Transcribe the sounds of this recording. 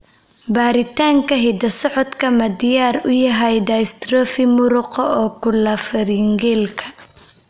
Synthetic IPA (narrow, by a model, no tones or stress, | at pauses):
baːɾɪt̪ʰaːŋkʰɐɦɛd̪ɐsɔʕɔd̪kʰɐmɐd̪ɪjaːrʊjɐɦɐjdɐjst̪rɔːfɪmʊɾʊqɔɔːkʰʊlɐfɐɾiŋɡɛlkʰɐ̥